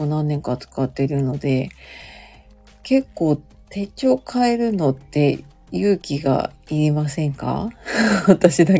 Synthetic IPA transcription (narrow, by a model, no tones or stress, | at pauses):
onãnːẽ̞ŋkat͡sɨ̥kat̪ːe̞ɾɯ̟no̞d̪e̞ | ke̞kːo̞ː | t̪e̞t͡ɕo̞ːkʰaeɾɯ̟no̞t̪ːe̞ | jɯ̟ːkʲiɡa̰iɾimasẽ̞ŋka̰βat̪aɕid̪a